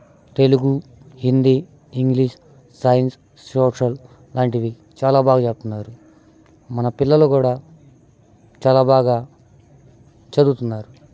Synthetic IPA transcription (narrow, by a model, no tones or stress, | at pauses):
t̪e̞luɡu | hind̪iː | iŋɡliːʂ | sɐjɐns | soːʂɐl | laːɳʈid̪i | t͡ʃaːlaːbaːɡaːt͡ʃep̚t̪unːaːɾu | mɐnɐpilːɐluːkuːɽaː | t͡ʃaːlaːbaːɡaː | t͡ʃɐd̪ut̪unːaːɾu